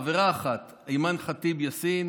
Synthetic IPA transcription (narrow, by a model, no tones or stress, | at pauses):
veʁaːχat̪ | ejmanχat̪ibjasin